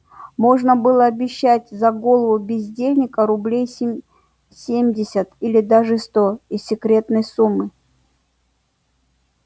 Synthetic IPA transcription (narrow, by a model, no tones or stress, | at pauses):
mo̞ʐnəbɨlˠəɐbʲɪɕːæt̚ʲzɐɡo̞lˠəvʊbʲɪzʲdʲelʲnʲɪkəɾʊblʲej | sʲemʲdʲɪsʲət̪ilʲɪd̪aʐɨst̪o̞isʲːɪkɾʲe̞t̪nəjsumːɨ